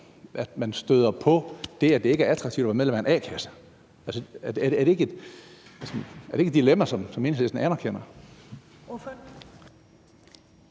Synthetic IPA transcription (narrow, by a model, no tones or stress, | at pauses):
ʔæd̥mænsd̥øðˠɐpʰɒ̽d̥e̝æd̥e̝e̝ɡ̥æɐæt͡sʰʁɑ̈ɡt͡sʰḭʊd̥æʋɑmeðˠlemæenɛ̰ːkʰæsə̥ | ælsəd̥eæɐdeæɐɾee̝ɡ̥əe̝d̥ælsæɐɾeɡ̥ed̥ilemæsɒ̽msɒme̝ːnsle̝sd̥n̩ænɐkʰen̰ɐ